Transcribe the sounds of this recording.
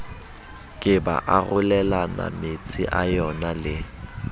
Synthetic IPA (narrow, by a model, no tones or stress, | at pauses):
kʼɪba̰ʔaɣʊlɛlana̰mɪt͡sʼɪ̰ʔajɔnalɪ